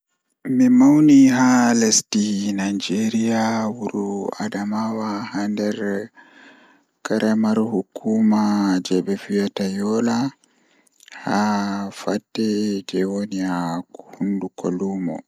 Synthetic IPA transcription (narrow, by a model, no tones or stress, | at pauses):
mimawniɦalestinajd͡ʒeɾiawuɾua̰damawahandɛɾ | kaɾʔamaɾhukʰːuːmad͡ʒɛɓɛfijatajɔla | hafatːɛd͡ʒɛwoniahundukʰoluːmɔ̰